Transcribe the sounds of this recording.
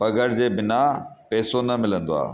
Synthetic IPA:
pɐɡʱəɾd͡ʑeːbɪnapɛːsonɐmɪlə̃nd̪oa̰ː

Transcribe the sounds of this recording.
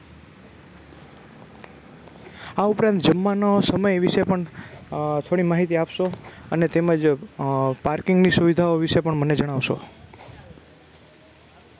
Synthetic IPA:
aupɾãnt̪d͡ʒəmːanosəməjʋiʃepəɳ | t̪ʰoɽ̃imaɦit̪iapʃoənet̪eməd͡ʒ | paɾkɪŋɡnisuʋid̪ʱaoʋiʃepəɳməned͡ʒəɽ̃aʋʃo̰

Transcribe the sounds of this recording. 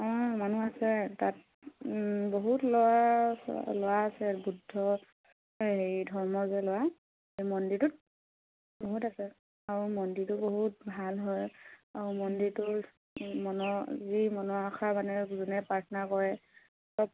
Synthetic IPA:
ɔ̃manuasɛtat̚ | boɦutlowa̰ | lowaːsɛbudʱːɔ | ɦejdʱɔɹmɔzɛlʊwa | hejmɔndiɹtʊt̚ | boɦutasɛ | aɹumɔnditʊboɦut̚bʱalɦɔjaɹumɔndiɹtʊ | mɔnɔzimɔnɔakʰamanɛzunɛpɹatʰɔnaɹkɔɹɛ | ɔp

